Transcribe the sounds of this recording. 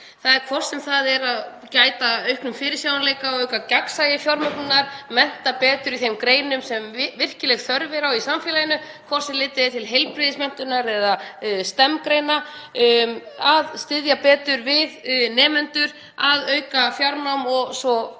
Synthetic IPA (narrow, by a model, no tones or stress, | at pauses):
θaðɛɾkʰvɔr̥sɛmθaðɛɾað | caːjt̪aœɥhknʏmfɪːɾɪsjawanalejkaɔœɥkacaksajɪfjawɾmœknʏnaɾ̥mɛn̥t̪apɛːt̪ʏɾiθejmkɾeːjnʏmsɛmvɪr̥cɪlɛɣθœɾvɪɾawisamfjɪːlajɪnʏ | kʰvɔr̥sɛmlɪːt̪ɪðɪt̪ʰɪlɦejlpɾɪðɪsmɛn̥t̪ʏnaɾɛðast̪ɛmkɾejna | aðst̪ɪðjapɛːt̪ʏɾvɪðnɛːmɛnt̪ʏɾ̥ | aðœɥkafjawɾnawmɔɣsɔ